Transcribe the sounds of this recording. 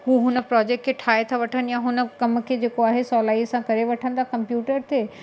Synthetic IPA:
ɦuːɦʊnə̆pɾɔːd͡ʑek̚ʈkʰeʈʰaːet̪ʰaʋɐʈʰənɪjãɦʊnə̆kɐmkʰed͡ʑeːkoaːɦesɔːlaːisãkɐɾeʋɐʈʰə̃nd̪akɐ̃mpjuːʈəɾt̪ʰeː

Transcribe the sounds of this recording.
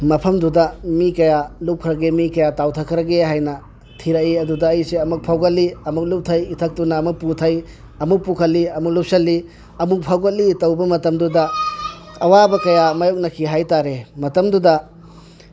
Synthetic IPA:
mɐpʰɐmdudɐmikɐjalup̚kʰɾɐɡemikɐjatawtʰɐkʰɾɐɡeɦajnɐ | tʰiɾɐiɐdudɐːjseɐmuk̚pʰawɡɐt̚lːiɐmuk̚lup̚tʰɐjitʰɐk̚tunɐːmuk̚putʰɐj | ɐmuk̚pukʰɐtlːiɐmuk̚lup̚sɐlːi | ɐmuk̚pʰawɡɐt̚litɐwbɐmɐtɐmdudɐ | ɐwabɐkɐjamɐjok̚nɐkʰiɦajtaɾemɐtɐmdudɐ

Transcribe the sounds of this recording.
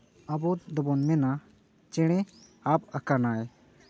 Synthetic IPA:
abɔd̪ɔbɔnmɛna | t͡ʃɛɽ̃ɛ | ap̚akanaj

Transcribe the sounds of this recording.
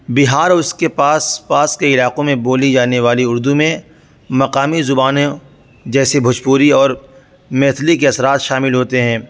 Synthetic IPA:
bɪɦaːɾʊskepaːspaːskeɪlaːqõmẽboːlid͡ʒaːneʋaːliʊɾd̪umẽ | mɐqaːmizʊbaːnẽ | d͡ʒɛːsebʱʊt͡ʃpuːɾiɔːɾ | mɛːt̪ʰlikeɐsɾaːt̪ʃaːmɪlɦoːt̪eɦɛ̃ː

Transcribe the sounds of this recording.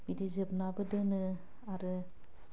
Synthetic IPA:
midizep̚nabɯdɯnɯ | aɾɯ

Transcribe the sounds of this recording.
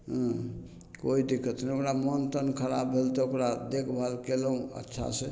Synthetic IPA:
ɦ | koid̪ikʰət̪ʰnɛokɾamɔnt̪ənkʰəɾa̰bbʱelt̪eokɾad̪ekʰbʱalkeləũə̰tːʃʰa̰se

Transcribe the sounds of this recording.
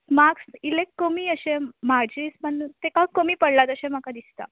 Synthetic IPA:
maksilekːomiːəɕẽm̤ad͡ʑiːspəɳt̪ekakomiːpəɽlat̪əɕẽm̤akad̪ist̪a̰

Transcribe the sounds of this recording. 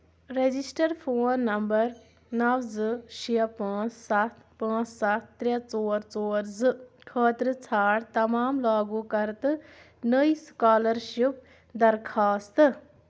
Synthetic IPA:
ɾed͡ʒisʈəɾpʰoːnːɐmbəɾ | nɐʋzɨʃʰijɐpãːt͡ssɐt̪ʰpãːt͡ssɐt̪̚ʰt̪ɾʲɐt͡soːɾt͡soːɾzɨkʰəːt̪ɾət͡sʰaːɽt̪ɐmaːmlaːɡuːkɐɾt̪ | nəiskaːləɾʃip̚ | d̪ɐɾkʰaːst̪

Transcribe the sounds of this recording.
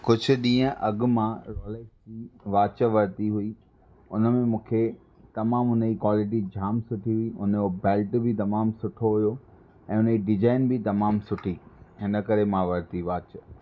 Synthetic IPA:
kʊd͡ʑʱʊ̆ɗĩːə̃ʔɐɡ̆mãɾɔːleːkd͡ʑiʋaːt͡ɕəʋɐɾt̪iɦʊi | ʊnəmẽmũːkʰe | t̪ɐmaːmɦʊnəd͡ʑikwaːlɪʈ̬id͡ʑʱaːmsʊʈʰiɦʊiʊnobɛːlʈbʱɪt̪ɐmaːmsʊʈʰoɦʊjo | ɛ̃ːʊnəd͡ʑiɖɪd͡ʑaːɪnbit̪ɐmaːmsʊʈʰiɦɪnə̆kɐɾemãʋɐɾt̪iʋaːt͡ɕ

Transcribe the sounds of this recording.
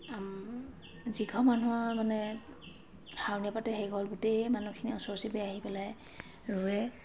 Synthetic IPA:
ziɡʰʱɔmanuamanɛ | hʰawniapatɛɦejɡʱɔlɡutejmanukʰiniɔsɔsibɛaɦipɛlaj | ɹuɛ

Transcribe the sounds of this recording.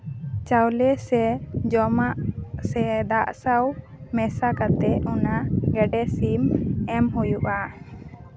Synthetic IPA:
t͡ʃawlɛsɛd͡ʒɔmaʔsɛd̪aʔsaw | mɛsakat̪ɛʔunaɡɛɖɛsimɛmɦujuʔa

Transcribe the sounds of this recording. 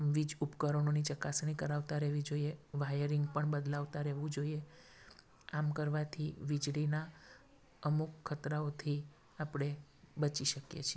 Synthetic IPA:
ʋid͡ʒupkəɾəɳonit͡ʃəkasɳ̃ikəɾaʋt̪aɾɛɦʋid͡ʒoieʋajəɾiŋɡpəɳbəd̪laʋt̪aɾɛʋũd͡ʒoie | amkəɾʋat̪ʰiʋid͡ʒlina | əmukʰːət̪ɾaot̪ʰi | apɽ̃e | bət͡ʃiʃəkjḛt͡ʃʰe

